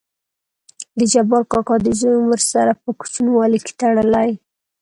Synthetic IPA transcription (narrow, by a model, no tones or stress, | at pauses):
d̪əd͡ʒabɑlkɑkɑd̪ɪzojoməɾsaɾapəku̥t͡ʃunwɑlike̥t̪aɽəlaj